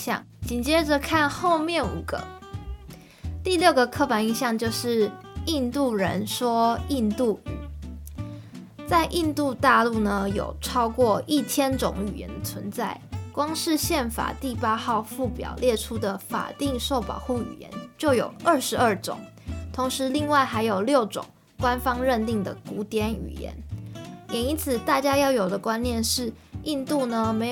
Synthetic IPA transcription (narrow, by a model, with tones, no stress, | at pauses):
ɑ̰˥˩ŋt͡ɕi˨˩nt͡ɕjɛ˥ʈ͡ʂə˨kʰa˥˧nxo˥˧ʊmjɛ˥˩nṵ˨˩ɡ̥ə̰˧˦ | t̪i˥˧ljo˥˩ʊɡə˩kʰɤ˥˩fa˧˥ni˥˧nɕjɑ˥˧ŋt͡ɕjo˥˧ʊʂɻ̩˥˩i˥˧nt̪u˥˩ɻə˧˥nʂwɔ˥i˥˧nt̪u˥˩ | t͡sa˥˧ɪʔi˥˧nt̪u˥˧t̪a˥˧lu˥˩nə˩jo̰˨˩ʊʈ͡ʂʰɑ˥ʊkwɔ˥˧i˥˩t͡ɕʰjɛ˥nt͡sʊ̰˧˥ŋy̰˨˩jɛ̰˧˦nd̪ə˨t͡sʰwə˧˦nt͡sa˥˩ɪkwɑ˥ŋʂɻ̩˥˧ɕjɛ˥˩nfa̰˨˩t̪i˥˩pa˥xɑ˥˧ʊfu˥˩pjɑ̰˨˩ʊljɛ˥˩ʈ͡ʂʰu˥d̪ə˨fa̰˨˩t̪i˥˧ŋʂo˥˩ʊpɑ̰˨˩ʊxu˥˩y̰˨˩jɛ̰˧˦nt͡ɕjo˥˩ʊjo˨˩ʊə˞˥˩ʂɻ̩˧˥ə˞˥˩ʈ͡ʂʊ̰˨˩˦ŋ | t̪ʰo˧˥ŋʂɻ̩˧˦˥li˥˧ŋwa˥˩ɪxa˧˥ɪjo˨˩ʊljo˥˩ʊʈ͡ʂʊ̰˨˩ŋ | kwa˥nfɑ˥ŋɻə˥˧nt̪i˥˩ŋd̪ə˩ku˧˥t̪jɛ˧˥ny̰˨˩jɛ̰˧˥˦njɛ˨˩i˧˥nt͡sʰɹ̩˨˩t̪a˥˩t͡ɕja˥jɑ˥˩ʊjo˨˩ʊd̪ə˩kwa˦˥nnjɛ˥˧nʂɻ̩˥˩ʔi˥˧nt̪u˥˩nə˩me˧˥